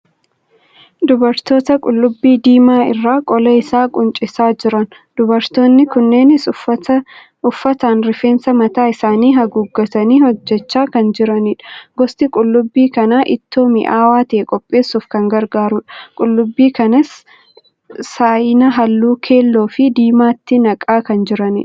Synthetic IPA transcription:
d̪ʊbɐɾt̪o̞ːt̪ɐkʼʊlːʊbːiːd̪iːmaːɪ̰rːaːkʼɔlɐɪsaːkʼʊnt͡ʃʼɪsaːd͡ʒɪɾɐn | d̪̥ʊbɐɾt̪o̞ːnːɪkʊnːe̞ːnɪs | ʊfːɐt̪aːnɾɪfe̞ːnsɐmɐt̪aːɪsaːniːɦɐɡuːɡːɐt̪ɐniːhɔd͡ʒːɛt͡ʃːaːkɐnd͡ʒɪɾɐniːᶑɐ̥ɡɔst̪ɪkʼʊlːʊbːiːkɐnaːʔɪt̪ːoːmɪ̰ʔaːwaːt̪eːkʼɔpʼːe̞ːsuːfkɐŋɡɐɾɡaːɾʊᶑɐ̥kʼʊlːʊbːiːkɐnɐs | aːʔɪnɐɦɐlːuːkʰe̞ːlːo̞ːfɪd̪iːmaːt̪ːɪnɐkʼːaːkɐnd͡ʒɪɾɐnḭːᶑɐ

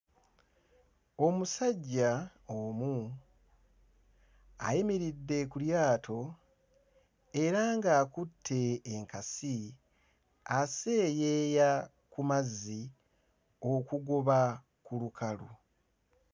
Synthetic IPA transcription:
o̞musaɟːa | omu | a̰jimiɾidːe̞kuljaːtʰo̞ | e̞ɾaŋɡaːkutʰːe̞ːŋkasi | ase̞je̞ja | kumazːi | o̞kuɡoβa | kulukʰalu

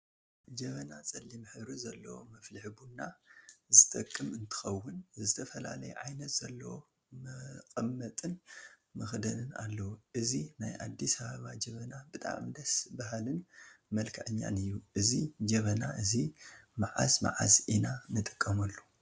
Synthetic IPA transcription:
d͡ʒɐβɐnat͡sʼɐlːimħɨβɾizɐlːɐ̰wo̰mɐflɨħbunːazɨt̪ʼɐkʼːɨmɨnt̪ʰɨ̥xɐwːʊnzɨt̪ʰɐfɐla̰lɐjɛ̰ʕajnɐt̪z̥ɐlːɐwo | mɐkʼɐmːɐt̪ʼɨn | mɐxd̪ɐnɨna̰lːɐwoʔɨzinajʔa̰d̪ːisɐβaβad͡ʒɐβɐnabɨt̪ʼa̰md̪ɐsbahalɨnmɐlkʰɐʕɨɲːa̰nɨjːuʔɨzid͡ʒɐβɐnaʔɨzimaʕa̰sma̰ʕa̰sʔinanɨt̪ʼɨkʼːɐmɐlːo

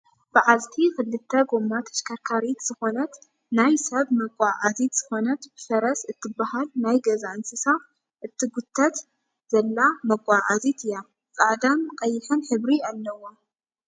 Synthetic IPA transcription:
b̥ɨʕazt̪ʰikɨlːɨt̪ʰːɐɡomːat̪ʰɐ̥ʃkʰɐɾkʰaɾit̪z̥ɨxo̞nɐt̪ | najsɐβmɐɡʷʼaʔazit̪z̥ɨxo̞nɐt̪b̥ɨfɐɾɐsɨt̪ʰːɨbːahalnajɡɐzaʔɨnsɨsa | ʔɨt̪ʰːiɡʊt̪ʰːɐt̪ | z̥ɐlːamɐɡʷʼaʔazit̪ʰɨja | t͡sʼaʕd̪amqʼɐjːɪħɨnħɨβɾialːɐwa

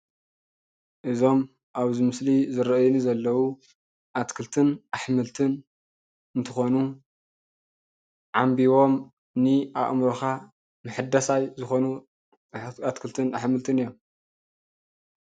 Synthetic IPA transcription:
ʔɨzo̞m | ʔaβzɨmɨslizɨɾɐʔjunizɐlːɐwu | ʔat̪kʰɨlt̪ʰɨnʔaħmɨlt̪ʰɨn | ɨnt̪ʰɨxonu | ʕambiwo̞m | nɨʔaʔmɾoxa | mɨħɨd̪ɐsajzɨxo̞nu | at̪kʰɨlt̪ʰɨnaħmɨlt̪ʰɨnɨjːom

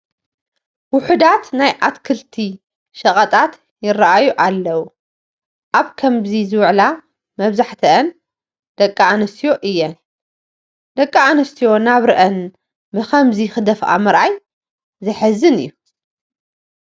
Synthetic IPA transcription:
wʊħɨd̪at̪najʔat̪kʰɨlt̪ʰi | ʃɐχʼɐt̪ʼat̪ | jɪrːaʔajuʔalːɐwu | ʔaβkʰɐmzizɨwʕla | mɐβzaħt̪ʰɐʔːn | d̪̥ɐkʼːaanɐst̪ʰijo̞ʔɨjːɛn | d̪ɐkʼːaanɨst̪ʰijo̞naβɾɨʔɐn | bɨxɐmzixɨd̪ɐfʔa̰mɨɾʔaj | zɐħɨzɨnɨ̰jːu

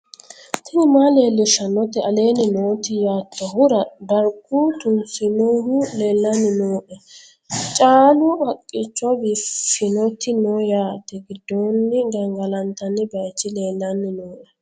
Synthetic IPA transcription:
t̪ɪnɪmaːle̞ːlːɪʃɐnɔt̪ɛɐle̞ːnɪnoːt̪ɪjaːt̪ːɔhʊɾɐd̪ɐɾkːut̪ʊnsɪnohʊle̞ːlːɐnːɪnoːʔɛ | t͡ʃʼaːlʊʔɐkʼːɪt͡ʃːɔbɪfɪnɔt̪ːɪnoːjaːt̪ːɛɡɪd̪ːoːnːɪɡɐŋɡɐlɐnt̪ɐnːɪbɐjt͡ʃːɪle̞ːlːɐnːɪnoːʔɛ

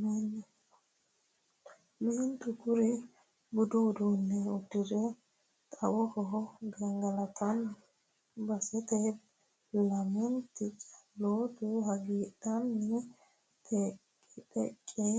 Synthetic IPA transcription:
mɛnːɛ | ment̪ʊɡʊɾɪ | bʊd̪uːd̪unːɛʊd̪ɪɾɛ | t̪ʼɐwɔhɔɦɡɐŋɡɐlɐt̪ʰɐn | bɐsɛt̪ɛ | lɐmɪnt̪ɪt͡ʃloːt̪ʊhɐɡiːd̪ɐnːɪ | t̪ʰɛ | t̪ɛ̰kʼːe

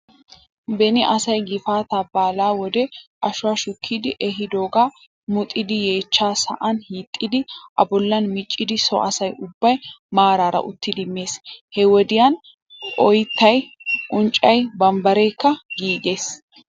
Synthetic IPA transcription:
bɛnɪʔɐsɐjɡɪfaːt̪ɐbaːlaːwɔd̪ɛʔɐʃʊaːʃʊkʰːiːd̪ɪʔɛɦɪd̪o̞ːɡaː | mʊt̪ʼɪd̪ɪje̞ːt͡ʃːaːsɐ̰ʔɐnhiːt̪ʼːɪd̪ɪʔɐbɔlːɐnmɪt͡ʃʼːɪd̪ɪsɔ̰ʔɐ̰sɐjʊbːɐjmaːɾaːɾɐ̰ʔʊt̪ːɪd̪ɪmːe̞ːshɛwɔd̪ɪjɐn | ʔɔjt̪ːɐjʔʊnt͡ʃʼːɐjbɐmbɐɾɛjkːɐɡiːɡ̪e̞ːs

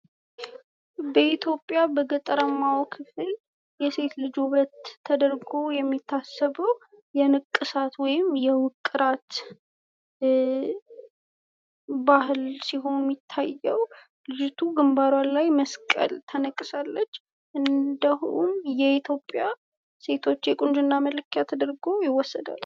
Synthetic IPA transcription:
bəit̪ʰjo̞pʼːjabəɡət̪ʼəɾəmːawkʰɨfɨl | jɛse̞t̪lɨd͡ʒβɾət̪ʰːəd̪əɾɡo̞jɛmːit̪ʰːasːəβəw | jɛnɨkʼːɨsat̪wɔjɪmjɛwʊkʼːɨɾat̪ | bahlsiɦo̞nmːit̪ʰːajːɛw | lɨd͡ʒt̪ʰuɡɨmbaɾwanlajməskʼə̰lt̪ʰənəkʼːɨsalːət͡ʃː | ʔɨnd̪əhumjɛit̪ʰjo̞pʼːja | se̞t̪ʰo̞t͡ʃːjɛkʼʊnd͡ʒɨnːamələkʰːjat̪ʰəd̪əɾɡo̞jɪwɔsːəd̪a̰l

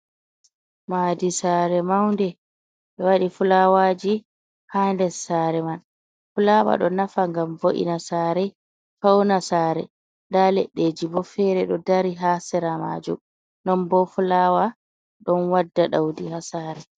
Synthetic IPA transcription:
maːdisaːɾɛmawndɛ | ɓɛwaɗifulawad͡ʒi | handɛsaɾɛman | fulawa̰ɗɔnafaŋɡamvoʔḭnasaɾɛ | fawnasaːɾɛ̰ | ndalɛ̰ɗːeːd͡ʒibɔfɛɾɛɗɔdaɾiɦaːsɛɾama̰d͡ʒṵm | nɔnbɔfulawa | ɗɔnwadːaɗawdihasaːɾɛ

